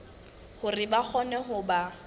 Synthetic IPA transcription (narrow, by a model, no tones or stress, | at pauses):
hʊrɪbak͡xʰɔnɛɦʊba